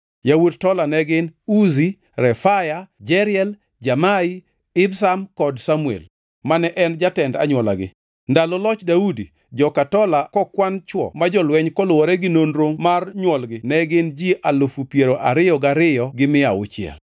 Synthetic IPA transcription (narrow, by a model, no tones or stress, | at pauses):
jawudtɔlanɛɡɪnuzi | ɾɛfajad͡ʒɛɾɪɛl | d͡ʒamai | ɪbsamkɔdsamuḛl | manɛʔɛnd͡ʒatɛnda̰ɲwɔla̰ɡɪ̰ | ndalɔlɔt͡ʃdaudi | d͡ʒɔkatɔlakɔkwant͡ʃwɔ̰mad͡ʒɔlwɛɲkɔlʊwɔɾɛɡɪnonɾoŋmarɲwɔlɡɪnɛɡɪnd͡ʒiʔalofupjeɾoʔaɾɪjɔɡaɾɪjɔɡɪmɪaʊ̰t͡ʃɪɛ̰l